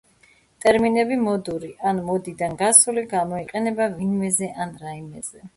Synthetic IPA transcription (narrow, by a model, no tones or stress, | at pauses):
t̪ʼɛɾminɛbimɔd̪uɾiʔanmɔd̪id̪anɡasuliɡamɔiqʼɛnɛbavinmɛzɛʔanɾaimɛzɛ